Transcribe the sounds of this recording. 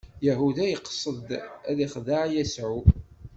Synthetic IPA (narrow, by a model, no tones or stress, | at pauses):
jaɦuðæjəqːsˤəd̪æðiχðaʕjæsʕu